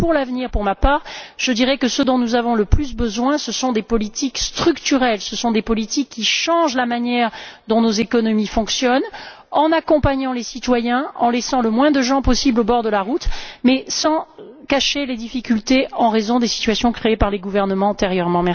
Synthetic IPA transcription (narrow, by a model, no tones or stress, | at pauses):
puʁlavniʁpuʁmapaːʁʒ̥əd̪iʁɛkəsəd̪ɔ̃nuzavɔ̃ləplys̬bəzwɛ̃səsɔ̃d̪epɔlit̪ikst̪χykt̪yʁɛlsəsɔ̃d̪epɔlit̪ikːiʃɑ̃ʒlamanjɛʁd̪ɔ̃nozekɔnɔmifɔ̃ksjɔn | ɑ̃nakɔ̃paɲɑ̃lesit̪wajɛ̃ɑ̰̃lɛsɑ̃ləmwɛ̃d̪əʒɑ̃pɔsiblobɔʁd̪əlaʁut̪mɛsɑ̃kaʃeled̪ifikʲylt̪eɑ̃ʁezɔ̃d̪esi̥t̪ɥasjɔ̃kχeːpaʁleɡuvɛʁnəmɑ̃ɑ̃t̪eʁjœʁmɑ̃mɛ